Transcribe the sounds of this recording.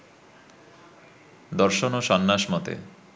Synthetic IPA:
d̪ɔɾʃonoʃɔnːaʃmɔt̪ḛ

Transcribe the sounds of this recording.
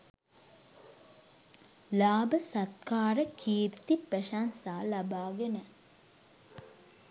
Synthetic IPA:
laːbəsɐt̪kaːɾəkʰiːɾt̪ipɾɐʃaːnsaːlɐbaːɡenə

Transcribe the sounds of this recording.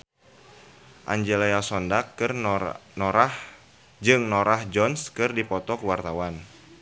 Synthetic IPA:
ʔa̰ɲd͡ʒelaasɔndakɨrnɔɾah | d͡ʒɨŋnɔɾahd͡ʒɔnskɨrdipɔt̪ɔkəwart̪awan

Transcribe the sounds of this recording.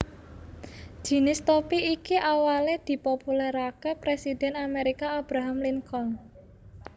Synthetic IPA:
ʒ̥i̤nɪst̪opiikiʔawaled̪̥i̤populɛɾakepɾesid̪̥ɛ̤nameɾikaːb̥ɾaɦamliŋkɔŋ

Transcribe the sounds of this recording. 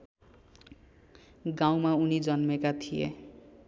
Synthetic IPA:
ɡaw̃maunid͡zʌnmekat̪ʰijḛ

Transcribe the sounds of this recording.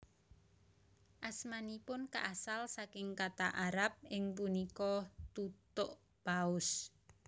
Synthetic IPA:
ʔasmanipʊnka̰ʔasalsakɪŋkat̪aʔaɾap̚ɪŋpunikɔt̪ut̪ʊʔ | b̥aʊs

